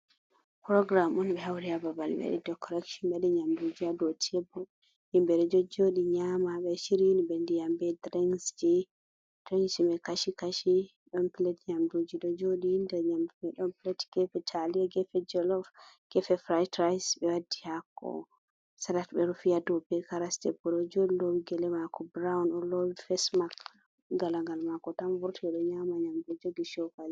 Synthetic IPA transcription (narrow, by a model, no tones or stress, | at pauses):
pɾɔɡɾamɔnɓɛhawɾiababalbɛ̰ɗɛ̰dɔkʰɔɾɛkʃɔnɓɛɗɛɲamdud͡ʒiadɔtʰɛbɔ | himbɛɗɛd͡ʒɔd͡ʒoɗiɲamaɓɛʃiɾinibɛndijambɛdɾɛŋsd͡ʒi | d̥ɾɛŋsimɛkaʃikaʃi | ɗɔnpilɛtɲamdud͡ʒiɗɔd͡ʒoɗihindɛɲamdumɛɗɔnpilɛtɡ̥ɛfɛtʰaliaɡɛfɛd͡ʒɛlɔvɡ̥ɛfɛfɾajtɾajsbɛwadːihakːɔ̰ | salatɓɛɾufijadɔbɛkaɾastɛpuɾɔd͡ʒodilowiɡɛlɛmakɔbɾawnɔlowifɛsmak | ɡalaŋɡalmakɔtamvuɾtɛɗɔɲamaɲamdod͡ʒoɡiʃɔfal